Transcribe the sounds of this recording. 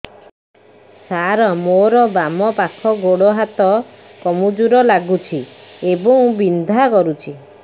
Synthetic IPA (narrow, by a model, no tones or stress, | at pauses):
saɾɔmoɾɔbamɔpakʰɔɡoɽɔɦat̪ɔ | kɔmud͡ʒuɾɔlaɡut͡ʃʰiebɔŋbind̪ʱakɔɾut͡ʃʰi